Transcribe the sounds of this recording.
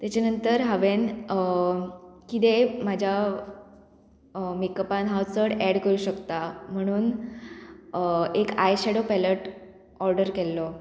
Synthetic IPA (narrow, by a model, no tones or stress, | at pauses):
t̪jat͡ɕanənt̪əɾɦaʋen | kit̪̬emad͡ʑʱja | mikːəpanɦawt͡səɽɛɽkəɾuːɕəkt̪am̤əɽ̃uːn | ekajɕeɽopɛləʈ | ɔɾɖəɾkɛlːɔ